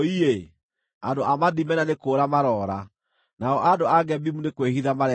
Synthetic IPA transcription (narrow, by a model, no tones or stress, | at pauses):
ie | andoʔamaðimɛnanekoɾamaɾɔɾa | naɔʔadoaɡɛbimunekwehiðamaɾɛ